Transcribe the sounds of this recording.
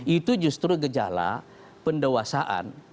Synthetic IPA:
it̪ud͡ʒust̪ɾuɡəd͡ʒa̰la̰ | pəndewasaʔa̰n

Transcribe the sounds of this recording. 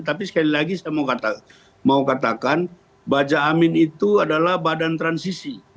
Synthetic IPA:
t̪ap̬isə̥kalilaɡisajamaukat̪a | maukat̪akan | bad͡ʒaːmɪnit̪uadalahbadant̪ɾansisi

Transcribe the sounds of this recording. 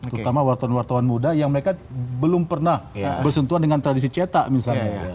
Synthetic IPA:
t̪əɾut̪amawart̪awanwart̪awanmudajaŋməɾekabəlʊmpərnahbərsənt̪uandəŋant̪ɾadis̬it͡ʃet̪aʔmisalɲa

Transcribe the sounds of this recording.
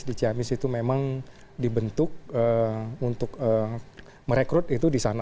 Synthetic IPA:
dit͡ʃiamɪsit̪umemaŋ | dibənt̪ʊk̚əunt̪ʊkə | məɾekɾʊt̪̚it̪udisana

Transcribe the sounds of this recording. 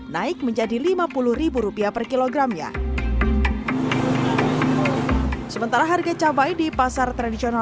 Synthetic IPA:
naɪk̚məɲd͡ʒadilimapuluhribuɾupiapərkiloɡɾamɲa̰ | səmənt̪aɾaɦarɡat͡ʃabajdipasart̪ɾadisiona

